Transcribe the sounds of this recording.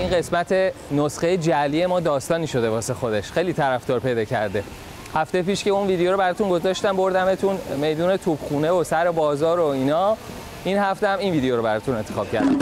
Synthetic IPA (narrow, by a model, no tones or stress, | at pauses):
iːnɢe̞smæt̪ʰe̞nosɢejed͡ʒælije̞mɒːd̪ɒːst̪ɒːniːʃo̞d̪e̞vɒːsexo̞d̪e̞ʃxe̞jliːt̪ʰæɾæft̪ɒːɾpʰe̞jd̪ɒːcʰæɾd̪e̞ | hæft̪ejepiːʃceunviːd̪ejoɾobæɾɒt̪unɡo̞zɒʃt̪æmbo̞ɾd̪æmet̪ʰunme̞jd̪uːne̞t̪ʰub̥xuːne̞osæɾe̞bɒːzɒːɾo̞inɒ | inhæft̪eæminviːd̪ejoɾobæɾɒt̪ʰune̞nt̪ʰe̞xɒːb̥̚cʰæ̰ɾd̪æ̰m